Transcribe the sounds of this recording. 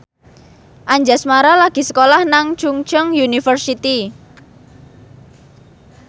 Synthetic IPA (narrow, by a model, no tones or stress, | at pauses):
ʔaɲd͡ʒasmaɾalaɡ̥i̤səkolahnaŋt͡ʃuŋt͡ʃəŋjunifərsit̪i